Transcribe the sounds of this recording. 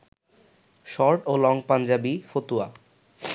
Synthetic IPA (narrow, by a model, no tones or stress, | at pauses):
ʃɔɾʈolɔŋpand͡ʑabifot̪ua